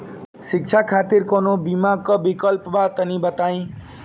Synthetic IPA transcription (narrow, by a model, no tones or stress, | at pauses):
sik̚t͡sʰakʰat̪irkonobimaɡ̚kobikʌlpbat̪ʌnibʌt̪aj̃